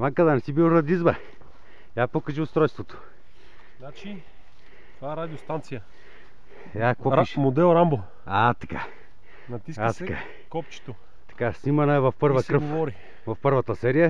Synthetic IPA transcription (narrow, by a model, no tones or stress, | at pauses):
maŋkəd̪anɛsibilɾɐd̪izbɐ | apokɐʒiʊst̪ɾɔjst̪vot̪o̥ | nat͡ʃi | t̪ovaɛɾad̪ʲiost̪ant̪sijə | japokʃmod̪ɛlˠɾambo | at̪ɐka̰ | nɐt̪isat̪ɐka | kɔpt͡ʃi̥t̪o | t̪ɐ̥kasimɐnɐɛvɐfpɤɾvɐkɾəɡovɔɾi | vɐfpɤɾvɐt̪əsɛɾijə